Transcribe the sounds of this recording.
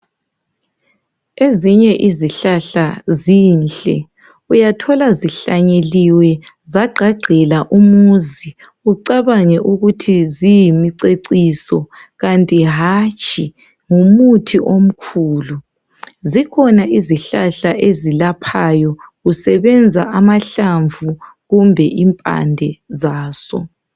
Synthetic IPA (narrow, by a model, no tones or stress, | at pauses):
eziɲɛʔiziɬaɬaziːnɬʼɛ | ujatʰɔlaziɬaɲeliwɛ | zaɡ͡ǃʱaɡ͡ǀʱɛlaʔumuzi | uǀaβaŋɛʔuɣutʰizijimiǀeǀisɔɣantʼiɦat͡ʃʼʰi | ŋumutʰiʔom̩kʰuːlu | zikʰɔnaʔiziɬaɬaʔezilapʰajɔɣusɛβɛnd͡zʱaʔamaɬaɱvu | ɣumbʱɛʔimpʼa̰ndʱɛzaːsɔ̰